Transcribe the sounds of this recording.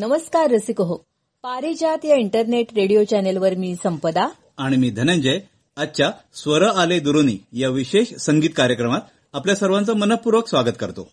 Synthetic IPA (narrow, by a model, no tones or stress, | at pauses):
nəməskaɾːəsikoɦo | paɾid͡ʑat̪jaiɳʈəɾneʈɾeɽijot͡ɕɛnelʋəɾmiːsəmpəd̪a | aɽ̃imiːd̪ʱənẽnd͡ʑəj | atːɕʰjasʋəɾəaled̪uɾoniːjaʋiɕeɕsəŋɡiːt̪kaɾjəkɾəmat̪ | apljasəɾʋant͡səmənət̪̚puɾʋəksʋaɡət̪kəɾt̪o̰